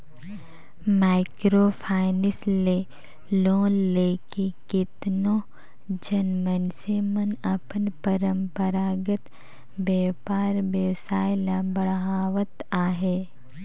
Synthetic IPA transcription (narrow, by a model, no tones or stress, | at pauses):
maːɪkɾoːpʰaːɪnɪsleː | loːnleːkekɪt̪nõ | d͡ʒɐnmənsemənɐpənpəɾə̃mpəɾaːɡət̪ | bjeːpaːɾbjəʋsaːɪlabɐɽɦaːʋət̪aːɦeː